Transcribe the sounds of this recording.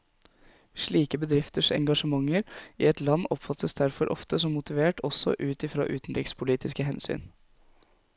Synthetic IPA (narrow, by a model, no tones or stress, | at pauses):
ʂɭiːkəbəd̪ɾɪft̪əʂɛ̰ŋɡɑʂəmɑŋːəɾḭːɛt̪lɑnːɔpfɑt̪ʰəsd̪æɾfɔɾʔɔ̰ft̪əsɔmːʊt̪ɪʋeːʈʰɔsɔ̰ʔʉːt̪ɪfɾɑ̰ːʔʉːt̪n̩ɾɪkspʰʊliːt̪ʰɪskəɦɛnsy̰ːn